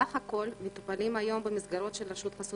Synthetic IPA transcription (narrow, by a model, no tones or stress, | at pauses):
aχhako̞lmet̪upalimajo̞mbemisɡaɾo̞t̪ʃelɾeʃut̪χasu